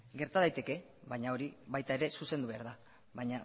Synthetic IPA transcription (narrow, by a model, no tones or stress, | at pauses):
ɡe̞ɾt̪aðajt̪e̞ke̞ | βajɲao̞ɾiβajt̪ae̞ɾe̞suse̞nd̪uβe̞aɾða | βajɲa